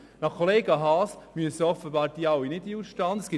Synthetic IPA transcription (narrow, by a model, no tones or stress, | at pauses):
nɑχkʰːoleːɡɑɦɑːsmyəsəɔfəbɑːɾd̥iːɑwinɪdiuʃtɑːnəsɡ̥ɪ